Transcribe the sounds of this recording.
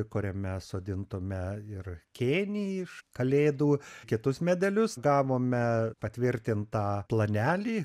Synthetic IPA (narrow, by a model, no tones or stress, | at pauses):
kʊɾʲɛmʲɛsoːd̪ʲɪnt̪ʊmʲɛɪrkʲeːnʲiːɪʃkɐlʲeːd̪uːkʲɪt̪ʊsmʲæd̪ʲɛlʲʊsɡɑːʋoːmʲɛpɐt̪ʲʋʲɪɾʲt̪ʲɪnt̪ɑːplˠɐnʲæːlʲiː